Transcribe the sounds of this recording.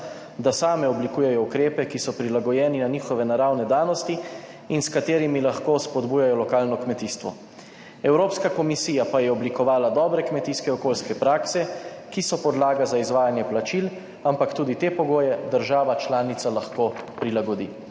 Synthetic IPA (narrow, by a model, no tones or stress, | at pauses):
d̪asaːmɛɔblikuːjɛjɔukɾeːpɛkisɔpɾilaɡɔjɛːninaniːxɔʋɛnaɾawnɛd̪aːnɔst̪i | inskat̪eːɾimilaxkoːspɔd̪buːjajɔlɔkaːlnɔkmɛt̪iːst̪ʋɔ̰ | ɛwɾoːpskakɔmisiːjapajɛɔblikɔʋaːlad̪ɔːbɾɛkmɛt̪iskɛɔkoːlskɛpɾaːksɛ | kisɔpɔd̪laːɡazaizʋaːjanjɛplat͡ʃil | ampakt̪uːd̪it̪eːpɔɡoːjɛd̪əɾʒaːʋat͡ʃlaːnit̪salaxkoːpɾilaɡɔd̪iː